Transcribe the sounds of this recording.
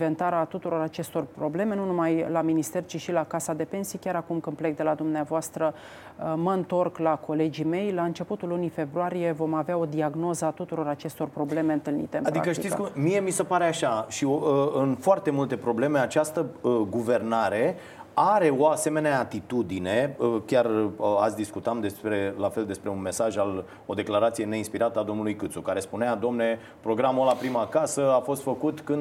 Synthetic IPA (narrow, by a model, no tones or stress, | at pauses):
vent̪aɾat̪ut̪uɾo̞ɾat͡ʃe̞st̪o̞rpɾo̞ble̞me̞nunumajlaminist̪e̞rt͡ʃiʃilakasad̪e̞pe̞nsijkʲaɾakumkɨnplek̚d̪e̞lad̪umneavoast̪ɾə | məɨnt̪o̞rklako̞le̞d͡ʒime̞jlaɨnt͡ʃe̞put̪ulːunijfe̞bɾuaɾije̞vo̞maveao̞d̪iaɡno̞zəat̪ut̪uɾo̞ɾat͡ʃe̞st̪o̞rpɾo̞ble̞me̞ɨnt̪ɨlnḭt̪e̞ɨmadɾia̰kəʃt̪iit̪sskmie̞misəpaɾeaʃaʃioɨnfoart̪e̞mult̪e̞pɾo̞ble̞me̞at͡ʃast̪əɡuve̞rnaɾe̞ | aɾe̞o̞ase̞me̞neaːt̪it̪ud̪ine̞əkʲarat̪sʲd̪iskut̪amd̪e̞spɾe̞lafe̞ld̪e̞spɾe̞unme̞saʒal | o̞d̪e̞klaɾat̪sije̞ne̞inspiɾat̪əad̪o̞mnulujkɨt̪sukaɾe̞spunead̪omne̞ | pɾo̞ɡɾamolapɾimakasəafo̞st̪fəkut̪kɨnd̪